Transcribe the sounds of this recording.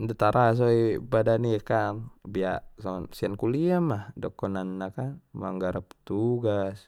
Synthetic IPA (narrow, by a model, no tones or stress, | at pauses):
nd̪at̪aɾʔas̬oibadanikanbiaʔsasiankuliamahdɔkːɔnanːakanma̰ŋɡaɾap̚t̪uɡas